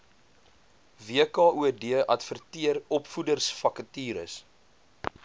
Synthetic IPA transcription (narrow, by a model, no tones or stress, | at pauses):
viəkɑːʔuədiəʔɐtfərtiəɾɔpfudərsfɐkətiːɾə̰s